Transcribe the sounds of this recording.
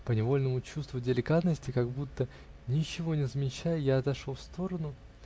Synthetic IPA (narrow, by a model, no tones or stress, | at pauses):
pənʲɪvo̞lʲnəmʊt͡ɕust̪vʊdʲɪlʲɪkat̪nəsʲtʲɪkaɡ̚but̪ːə | nʲɪt͡ɕːɪvo̞nʲɪzəmʲɪt͡ɕːajjaɐt̪ɐʂofst̪o̞ɾənʊ